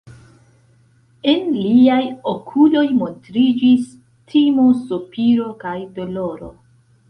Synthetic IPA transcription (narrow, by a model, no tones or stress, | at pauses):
e̞nliajokʰulo̞jmo̞ntɾid͡ʒis | tʰimosopiɾo̞kajdo̞lo̞ɾo̰